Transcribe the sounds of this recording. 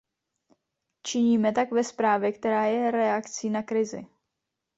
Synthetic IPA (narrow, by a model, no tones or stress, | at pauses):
t͡ʃɪɲiːmɛt̪akvɛspɾaːvjɛkt̪ɛɾaːjɛɾɛakt͡siːnakɾɪzɪ̰